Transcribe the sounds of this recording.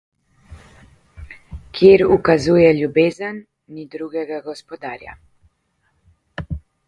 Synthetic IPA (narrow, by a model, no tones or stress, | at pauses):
kʰjeɾukazuːjɛlubeːzənː | id̪ɾuɡɛɡaɡɔspɔd̪aːɾja̰